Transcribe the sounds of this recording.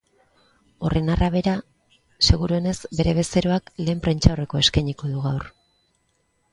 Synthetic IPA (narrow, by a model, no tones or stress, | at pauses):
o̞re̞narʔaβ̞e̞ɾa | se̞ɣuɾue̞ne̞zbe̞ɾe̞βe̞se̞ɾo̞akle̞ːmpɾent͡ʃaore̞ko̞eskajɲiko̞ðuɣawr